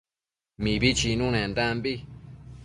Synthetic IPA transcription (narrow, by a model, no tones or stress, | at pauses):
mĩbit͡ʃinũnẽnd̪ãmbi